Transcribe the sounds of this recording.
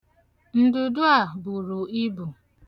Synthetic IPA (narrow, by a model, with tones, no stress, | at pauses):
n̩˦dʊ˨dʊ˦a˨bʊ˨ɾu˨i˦bu˨